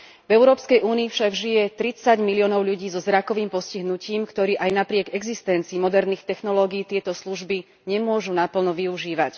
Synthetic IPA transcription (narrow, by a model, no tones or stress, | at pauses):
vɛʊɾɔːpskɛjʔuːniːfʃaɡʒijɛt̪ɾit͡saɟmiliɔːnɔʊʎuɟiːzɔzɾakɔʋiːmpɔsciɦnuciːmkt̪ɔɾiːʔajnapɾɪɛɡɛɡzist̪ɛnt͡siːmɔd̪ɛɾniːxt̪ɛxnɔlɔːɡiːt̪ɪɛt̪ɔsluʒbi | ɲɛmʊɔʒunapl̩nɔʋiuʒiːʋac